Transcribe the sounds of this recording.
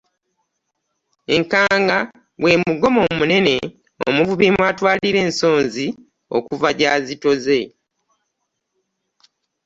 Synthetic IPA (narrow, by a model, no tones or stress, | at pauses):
eŋkaːŋɡa | we̞ːmuɡo̞mo̞ːmune̞ne̞̰ | o̰muvuβimwaːtwaːliɾe̞ːnso̞ːnzi | o̰kuvaɟaːzito̞ze̞